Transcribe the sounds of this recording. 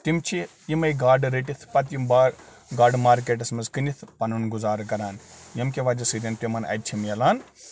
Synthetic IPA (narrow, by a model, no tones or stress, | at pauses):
t̪imt͡ʃʰi | jimɐjɡaːɖɾeʈit̪ʰpɐt̪̬jimbaː | ɡaːɾɖmaːɾk̬eːʈ̬ɐsmɐzkɨnʲit̪ʰpɐnunɡuzaːɾkɐɾaːnjɐmkʲeʋaːd͡ʒɐsɨːɾʲjɐnpʲimɐnɐ̰j̪̚t͡ʃʰimjɐlaːn